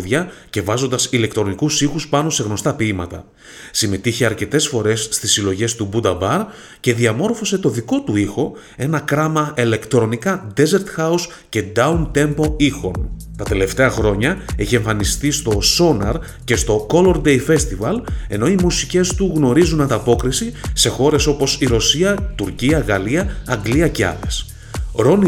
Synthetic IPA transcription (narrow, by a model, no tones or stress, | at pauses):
ðʝɐce̞vɐzond̪ɐsile̞kt̪ɾo̞nikusixuspɐno̞se̞ɣno̞st̪ɐpiimɐt̪ɐ̰ | sime̞t̪içeɐɾce̞t̪e̞sfo̞ɾe̞sːt̪isilo̞ʝe̞st̪ubud̪ɐbɐɾ | ce̞ðiɐmo̞ɾfo̞se̞t̪o̞ðiko̞t̪uixo̞ | e̞nɐkɾɐmɐʔile̞kt̪ɾo̞nikɐd̪e̞ze̞ɾt̪xɐus | ce̞d̪ɐunt̪e̞mpo̞ixo̞n | t̪ɐt̪e̞le̞ft̪e̞ɐxɾo̞ɲɐe̞çie̞ɱfɐnist̪ist̪o̞so̞nɐɾ | ce̞st̪o̞ko̞lo̞ɾd̪e̞jfe̞st̪ivɐle̞no̞imusice̞st̪uɣno̞ɾizunɐnd̪ɐpo̞kɾisise̞xo̞ɾe̞so̞po̞siɾo̞siɐt̪uɾciɐɣɐliɐɐŋɡliɐceɐ̰ðe̞s | ɾo̞n